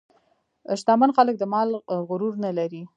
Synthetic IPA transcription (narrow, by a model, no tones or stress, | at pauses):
ʃt̪ɑmanxalək̚d̪əmɑlɣʊɾuɾnalaɾi